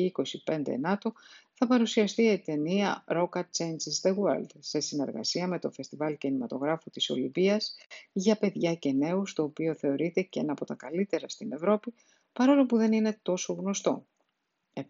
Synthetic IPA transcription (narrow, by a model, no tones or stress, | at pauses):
iko̞sipe̞nd̪e̞̰nɐt̪oθɐpɐɾusiɐst̪iet̪e̞niɐɾo̞kɐt͡ʃensizd̪eɣweld̪se̞sine̞̰ɾɣɐ̰siɐme̞t̪o̞fe̞st̪ivɐlcinimɐt̪o̞ɣɾɐfut̪iso̞̰libiɐzʝɐpe̞ðʝɐce̞ne̞ust̪o̞ːpio̞θe̞o̞ɾit̪e̞ceenɐpo̞t̪ɐkɐlit̪e̞ɾɐst̪ine̞vɾo̞pi | pɐɾo̞lo̞puðe̞nine̞t̪o̞so̞ɣno̞st̪o̞̰ | e